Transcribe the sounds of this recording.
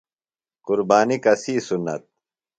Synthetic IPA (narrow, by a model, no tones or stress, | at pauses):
qʊɾbaːnikɐsiːsunːɐ̰t̪̚